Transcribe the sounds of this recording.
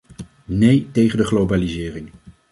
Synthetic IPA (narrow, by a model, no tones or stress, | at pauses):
nejtejχəndəχlowbaːlizɪːrɪŋ